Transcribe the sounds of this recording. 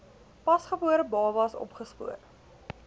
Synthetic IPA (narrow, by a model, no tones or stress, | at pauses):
pɐsχəbuəɾəbɑːvɐsɔ̰pχəspṵər